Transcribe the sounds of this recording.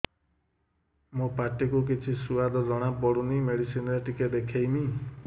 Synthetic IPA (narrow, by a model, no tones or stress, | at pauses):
mũpaʈikuk̬it͡ʃʰisuad̪ʱɔd͡ʒɔɽ̃apɔɽunimeɽisinɾeʈiked̪ekʰejmi